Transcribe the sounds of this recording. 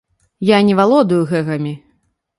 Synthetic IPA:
janʲɛvalˠɔd̪ujuɣɛɣɐmʲi

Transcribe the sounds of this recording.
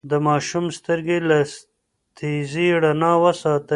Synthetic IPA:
d̪əmɑːʃumst̪əɾɡela | t̪ʰiziɽɐnaːwəsɑːt̪ə

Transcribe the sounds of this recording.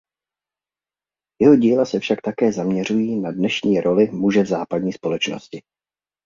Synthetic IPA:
jɛɦo̞ɟiːlasɛfʃakt̪akɛːzamɲɛr̝ujiːnadnɛʃɲiːɾʔo̞lɪmuʒɛvzaːpadɲiːspo̞lɛt͡ʃno̰scɪ

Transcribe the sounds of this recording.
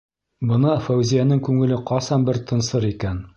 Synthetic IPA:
bɤ̆nɤfæwzijænɘŋkʉŋɘ̆lɘqɒsɑnbɘɾt̪ʰɤ̆nsɤɾikæn

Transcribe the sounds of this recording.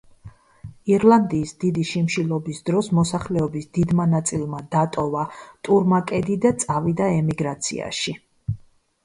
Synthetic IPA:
iɾlˠand̪iːsd̪id̪iʃimʃilɔbisd̪ɾɔsmɔsaχlɛɔbisd̪id̪manat̪sʼilˠmad̪at̪ʼɔvat̪ʼuɾmakʼɛd̪id̪at̪sʼavid̪aɛmiɡɾat̪sʰḭa̰ʃi

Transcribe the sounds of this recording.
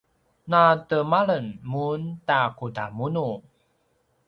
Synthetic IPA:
natəmaɭənmuntakutamunu

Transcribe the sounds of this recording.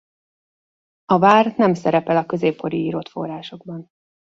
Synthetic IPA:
ɒvaːrnɛmsɛɾɛpɛlɒkø̞zeːpːo̞ɾiiːɾot̪fo̞̰raːʃo̞ɡ̚bɒn

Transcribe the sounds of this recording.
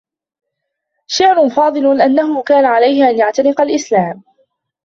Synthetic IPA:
ʃaʕɾʊnfɑːd̪ˤɨlʊʔanːaɦʊkaːnaʕalajhɪʔanjaʕt̪aɾɪqɑlʔɪslaːm

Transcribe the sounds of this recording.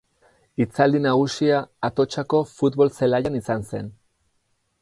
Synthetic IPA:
it͡sald̪inaɣ̞usiaːt̪o̞t͡ʃako̞fut̪βo̞lselajanisanse̞n

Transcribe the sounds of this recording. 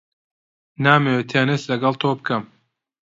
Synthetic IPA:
naːmewet̪ʰeːnislɐɡɐlˠt̪ʰoːbɨkʰɐm

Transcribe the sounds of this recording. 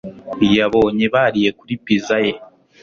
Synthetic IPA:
ijaβo̞ːɲeβaɾije̞kuɾipizaje̞

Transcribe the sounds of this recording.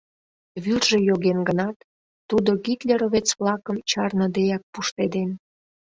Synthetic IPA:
βyrʒe̽joɣenɡənɑt̪ː | ud̪oɡit̪lʲeɾoβet͡sβlɑkəmt͡ɕɑrnəd̪ejɑk̚puʃt̪ed̪en

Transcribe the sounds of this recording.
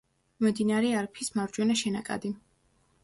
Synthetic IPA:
mmd̪inaɾɛaɾpʰismavɾd͡ʒwɛnaʃɛnakʼa̰d̪i

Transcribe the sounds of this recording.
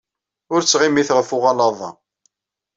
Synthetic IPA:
ʊɾt͡sːʁimiθʁəfʊʁɑlɑðˤɑ̰

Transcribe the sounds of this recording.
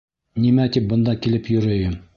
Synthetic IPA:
nimæt̪ip̚bɤ̆nd̪ɑkilɘpjɵ̆ɾɘjɵm

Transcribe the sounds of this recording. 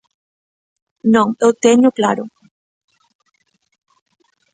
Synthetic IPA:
nõŋewt̪eɲʊklaɾo

